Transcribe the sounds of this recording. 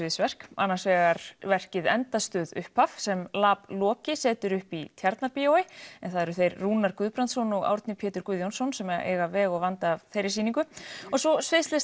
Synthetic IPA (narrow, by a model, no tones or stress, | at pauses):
ɪsvɛr̥ka̰nːaɾsvɛːɣaɾvɛr̥cɪðɛ̰nt̪ast̪œːðʏ̰hpafsɛmlaːplɔːcɪsɛːt̪ʏɾʏhpit̪ʰjaɾt̪naɾpiowɪɛnθaðɛɾʏθejɾːuːnaɾkʏðpɾant̪sɔnɔɣa̰wɾt̪nɪpʰeːt̪ʏɾkʏðjɔwnsɔnsɛmaʔḛːɣavɛːɣɔɣvant̪aːvθejɾɪ̥siːniŋkʏɔsɔsvɪslɛs